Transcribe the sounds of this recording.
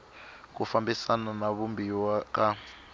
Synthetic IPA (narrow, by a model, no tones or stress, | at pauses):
k̬ufambisananaβumbiwaka